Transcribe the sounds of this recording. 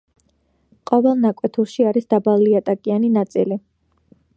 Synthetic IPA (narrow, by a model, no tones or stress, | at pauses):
qʼɔvɛlˠnakʼwɛt̪ʰuɾʃiaɾisd̪abaliat̪ʼakʼianinat̪sʼili